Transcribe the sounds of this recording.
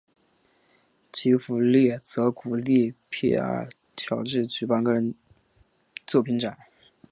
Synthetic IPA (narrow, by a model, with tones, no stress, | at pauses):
t͡ɕʰi˧˥fu˨˧˩ljɛ˥˩t͡sɤ˧˥ku˨˩li˥˩pʰḭ˥˧a̰˥˩ | t̪ʰjɑ˨˩ʊʈ͡ʂɻ̩˥˩t͡ɕy˨˩pa˥nŋkɻə˧˥n | t͡swɔ˥˩pʰi˧˥nʈ͡ʂa˨˩˦n